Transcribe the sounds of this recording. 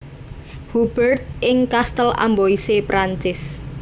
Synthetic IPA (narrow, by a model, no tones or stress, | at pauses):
hub̥ərt̪̚ʔɪŋkast̪əla̰mboisepɾaɲt͡ʃɪs